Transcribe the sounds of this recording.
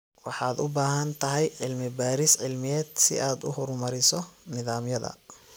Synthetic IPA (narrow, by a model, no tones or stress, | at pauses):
wɑħɑːd̪ʊbaːɦɐnt̪ʰɐɦɛjʕɪlmɪbaːɾɪsʕɪlmɪjɛːd̪sɪ̰ʔaːd̪ʊhʊɾmɐɾɪsɔnɪðaːmjɐðɐ̰